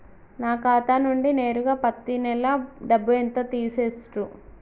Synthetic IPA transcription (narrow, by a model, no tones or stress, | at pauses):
naːkaːt̪aːnuɳɖine̞ːɾuɡaːpɐt̪ːinɛlɐɖɐbːuent̪oːt̪iːseːsʈu